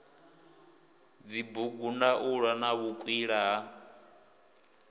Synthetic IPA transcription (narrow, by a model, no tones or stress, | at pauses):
d͡zibuɡunaʔuɺwanaβukʼwiɺaɦa